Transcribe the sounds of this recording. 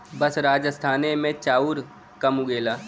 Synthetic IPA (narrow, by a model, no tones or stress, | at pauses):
bəsɾaːd͡ʒəst̪ʰaːnemẽt͡ʃaːuɾ | kɐmʊɡeːlaː